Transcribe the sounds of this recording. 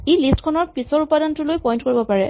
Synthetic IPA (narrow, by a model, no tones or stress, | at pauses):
ejlistkʰɔnɔɹpisɔɹupadantʊlojpɔjntkoɹibɔpaɹɛ